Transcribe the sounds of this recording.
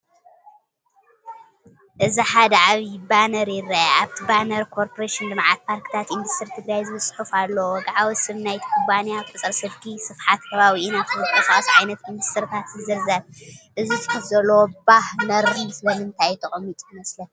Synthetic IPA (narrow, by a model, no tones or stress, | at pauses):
ʔɨziħad̪ɐʕaβibanɐɾjɪrːaaaβt̪ʰibanɐɾkʰo̞ɾpʰoɾeʃind̪ɨmʕat̪̚pʰaɾkʰɨ̥t̪ʰat̪ind̪ust̪ʰɨɾit̪ʰɨɡɾajzɨβɨsʼħufalːowɔɡaʕawsɨβnajt̪kʰubanijafʼɨt͡sʼɐɾsɨlkʰisɨfħat̪kʰɐβaβiʔinat̪ʰɨzɨt̪ʼɐsasʕajnɐt̪ind̪ust̪ʰɨɾit̪ʰat̪zɨzɐɾzaβʔɨzifɨ̥kʰɨt̪zɐlːowobahnɐɾɨsɨlɐmɨnt̪ʰajt̪ʰɨχʼɨmːit̪ʼjɨmɐslɐn